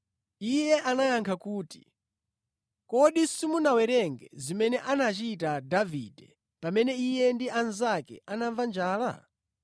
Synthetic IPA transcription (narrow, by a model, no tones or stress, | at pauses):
ijɛʔanajaŋkʰakuːti̥ | kɔɗisimunawɛɾɛŋɡɛ̰zimɛnɛʔanat͡ʃit̬adavḭdɛ | pamɛnɛijɛndianzakɛ̰ʔanaɱvand͡ʒaːla̰